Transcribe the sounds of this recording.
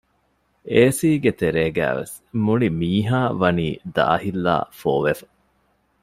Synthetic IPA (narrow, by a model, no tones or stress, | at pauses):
eːsiːɡet̪eɾeːɡæ̰ːʋḛs | muɭimiːɦaːʋɐniːd̪a̰ːhilːa̰ːfoːʋefɐ̥